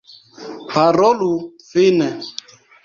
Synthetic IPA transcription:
pʰaɾɔlufɪnɛ

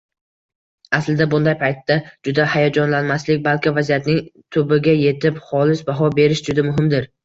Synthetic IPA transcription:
aslɪd̪abʊnd̪ajpʰajt̪ːad͡ʒʊd̪ahajɒd͡ʒɒnlanmaslɪkʲbalkʲɪvazijat̪nɪŋt̪ʰɵbɪɡʲaje̞t̪ʰɪpχɒlɪsbaɦɒbe̞ɾɪʃd͡ʒʊd̪amʊɦɪmd̪ɪɾ

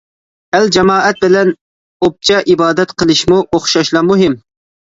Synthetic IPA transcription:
æld͡ʒɛmɑːʔɛt̪̚bɪlɛn | op̚t͡ʃʰɛʔibɑːd̪ɛt̪qʰəlˠɨʃmuʔoχʃɑʃlˠɑɾmuɦɪm

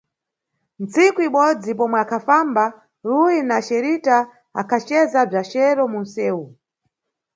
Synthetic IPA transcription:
nt͡sikuiɓɔd͡zipɔmwɛakʰafamba | ɾuinaʃɛɾita | a̰kʰat͡ʃɛzab͡ʐat͡ʃɛɾɔmun̩sɛːu

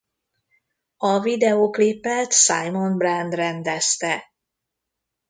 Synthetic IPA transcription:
ɒvid̪ɛoːklipːɛt̪sajmo̞nbrand̪rɛnd̪ɛst̪ɛ

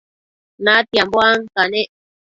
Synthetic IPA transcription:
nat̪jambwaŋkane

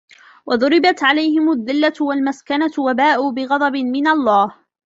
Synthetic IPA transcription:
wʔɑðˤʊɾɪbat̪ʕalajɦɪmʊðːɪlːawalmaskanawabaːʔuːbɪɣɑd̪ˤɑbɪmɪnalˤːɑːh

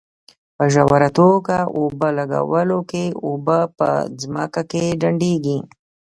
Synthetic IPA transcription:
pəʒawaɾat̪okaʔobəlaɡa̰wəlokeobəpə̰d͡zma̰kakeɖaɳɖeɡi

